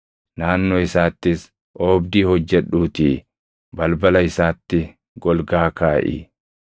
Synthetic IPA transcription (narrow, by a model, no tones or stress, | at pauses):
naːnːoːɪsaːt̪ːɪs | ʔoːbd̪iːhɔd͡ʒːɛᶑuːt̪iː | bɐlbɐlɐɪsaːt̪ːɪ | ɡɔlɡaːkaːʔɪ̰